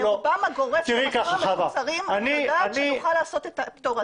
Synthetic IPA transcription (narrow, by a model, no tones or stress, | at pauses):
lobamaɡoʁet̪iʁikaχaabasaʁimanidaanʃiuχalaːso̞t̪et̪apt̪oʁa